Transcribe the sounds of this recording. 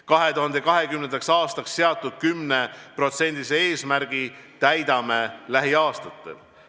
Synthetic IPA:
kɑɦe̞t̪uɦɑnd̪̥e̞kɑɦe̞kymnend̪̥ɑksɑːst̪ɑksːe̞ɑt̪ːˑud̪̥̚kymne̞pro̞t̪se̞nʲd̪̥isee̞ːsmæɾɡ̥i | t̪æjd̪̥ɑme̞læɦiɑːst̪ɑt̪ːˑe̞̰l

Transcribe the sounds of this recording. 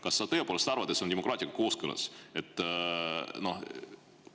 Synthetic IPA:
kɑsːɑt̪ɤepoːlst̪ɑɾrvɑd̪et̪seonʲemokrɑːt̪ʲiɑkɑ̥ko̞ːskɯlɑ̰se̞t̪ːˑ | no̞h

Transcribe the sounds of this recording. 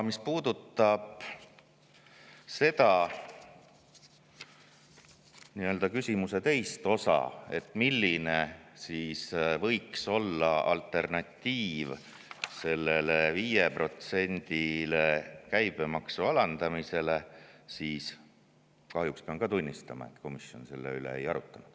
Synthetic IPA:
mispuːd̪̥ut̪ːˑɑb̥ | se̞t̪ɑ | niːø̞ld̪ɑkysʲimuse̞t̪e̞jst̪o̞sɑ̰e̞t̪ˑːmilʲːine̞siːsvɤ̞jkso̞lːɑɑ̰lt̪ːˑe̞rnɑt̪ʲːiːv | se̞lːe̞leviːje̞pro̞t̪se̞nʲd̪̥ile̞kæjb̥e̞mɑksuɑlɑnd̪̥ɑmise̞le̞siːs | kɑɦjukspeɑnɡ̥ɑt̪unʲːist̪ɑmɑ̰e̞̰t̪ːˑko̞misjo̞̰nse̞lːḛylḛḛjɑɾut̪ːˑɑnud̪̥

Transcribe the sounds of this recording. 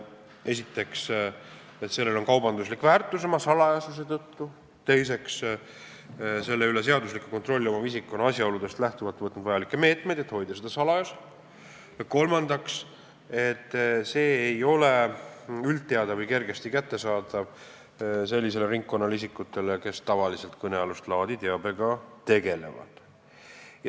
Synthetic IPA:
e̞sit̪ːˑe̞ks | et̪se̞lːe̞lo̞nkɑwbɑnd̪uslikvæːrt̪ːˑusemɑsɑlɑjɑses̬eːt̪ɤt̪ːu | t̪e̞jse̞ks | se̞lːe̞yle̞se̞ɑd̪us̬likːuko̞nt̪ro̞lʲːio̞mɑvisikːˑo̞nːɑɑsʲjɑo̞lud̪e̞st̪læht̪uvɑlt̪ːvɤt̪nud̪vɑjɑlikːeme̞ːt̪me̞jd̪̥e̞t̪ho̞jd̪̥ɑsed̪̥ɑsɑlɑjɑse | jɑko̞lmɑnd̪̥ɑks | e̞t̪ːse̞ːjo̞le̞ylt̪̚ːeɑd̪ɑvɤjke̞rɡest̪ikæt̪ːe̞sɑːd̪ɑv | se̞lʲːise̞le̞ɾiŋkːo̞nːɑlisikːˑut̪ːˑe̞leke̞st̪ɑvɑlise̞lt̪kɤneɑlust̪lɑːd̪it̪eɑbe̞ɡ̥ɑt̪e̞ɡe̞le̞̰vɑ̰d̪̥ | j

